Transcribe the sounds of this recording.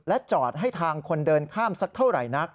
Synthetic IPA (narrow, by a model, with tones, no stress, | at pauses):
lɛ˦˥t͡ɕɔː˨˩t̪̚ɦa˥˩jt̪ʰaː˧ŋkʰo˧ndɤː˧nkʰaː˥˩msa˦˥k̚t̪ʰa˥˩wɾa̰˨˩jna˦˥k̚